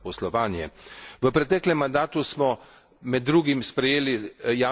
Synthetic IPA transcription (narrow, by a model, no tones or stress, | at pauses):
pɔslɔʋaːnjɛ̰ʋəpɾɛt̪ɛːklɛmːand̪aːt̪usmɔ | mɛd̪ːɾuːɡimspɾɛjeːlija